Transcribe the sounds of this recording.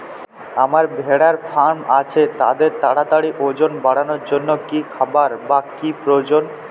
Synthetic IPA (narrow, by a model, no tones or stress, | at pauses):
amaɾbʱeɽaɾfaɾmat͡ɕʰet̪a̰d̪eɾt̪aɽat̪aɽiʔod͡ʑonbaɽanoɾd͡ʑonːokikʰabaɾbakipɾoed͡ʑon